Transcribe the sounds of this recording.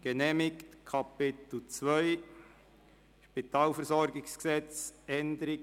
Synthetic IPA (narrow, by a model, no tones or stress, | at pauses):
ɡ̥enɛːmɪktkʰɑpɪt̪l̩t͡sʋœʏ | ʃpit̪ɑːlfəɾsɔɾɡɪsksɛt͡sɛndəɾɪɡ